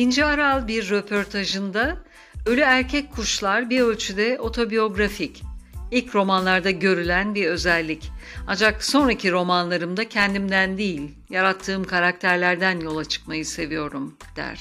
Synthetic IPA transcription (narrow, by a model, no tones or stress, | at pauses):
ind͡ʒiaɾalˠbiɾːø̞pʰo̞ɾt̪ʰaʒɯnd̪a | ø̞lʲyæɾcʰɛckʰːuʃlˠaɾbiɾø̞lʲt͡ʃʰyd̪ɛʔo̞t̪ʰo̞bijo̞ɡɾaficilʲcɾo̞manlˠaɾd̪aɟø̞ɾylʲænbiɾø̞zɛlʲːicand͡ʒakso̞nɾacʰiɾo̞manlˠaɾɯmd̪acʰɛnd̪imd̪ænd̪ijilʲ | jaɾat̪ʰːɯːmkʰaɾak̚t̪ʰæɾlʲæɾd̪ænjo̞lˠat͡ʃʰɯ̥k̚majɯse̞vijo̞ɾum | d̪̥æ̰ɾ̥